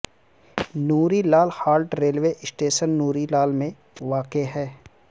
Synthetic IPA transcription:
nuːɾilaːlhaːlʈɾeːlʋeʔɪsʈeːʃənːuːɾilaːlmẽ | ʋaːkeɦɛː

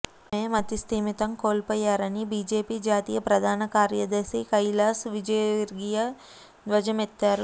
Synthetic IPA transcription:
meːmɐt̪ist̪iːmit̪ɐmko̞ːlpɔːjːaːɾɐnibiːd͡ʒe̞ːpiːd͡ʒaːt̪iːjɐpɾɐd̪ʱaːnɐkaːɾjɐd̪ɐsikɐjlaːsʋid͡ʒɐjʋiɾɡijɐ | d̪ʋɐd͡ʒɐmet̪ːaːɾu

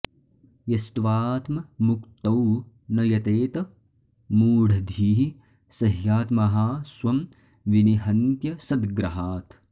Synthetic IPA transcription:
jɐst̪ʋaːt̪mɐmukt̪ɐw | nɐjɐt̪eːt̪ɐ | muːɽʱɐd̪ʱiːɦi | sɐɦjaːt̪mɐɦaːswɐm | ʋiniɦɐnt̪jɐsɐd̪ɡɾɐɦaːt̪

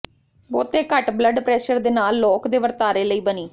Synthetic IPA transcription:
boːt̪eːkəʈbləɖpɾɛːʃəɾd̪eːnaːlːɔːkd̪eːʋəɾt̪aːɾeːləiːbəniː

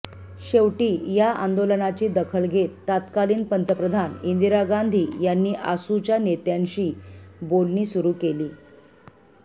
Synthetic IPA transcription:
ɕewʈiːjaʔa̰nd̪olənat͡ɕiːd̪əkʰəɭɡʱet̪ːat̪kaliːnpənt̪əpɾəd̪ʱanind̪iɾaɡand̪ʱiːjanːiːʔasut͡ɕjanet̪jaɲɕiːbolniːsuɾuːkeliː

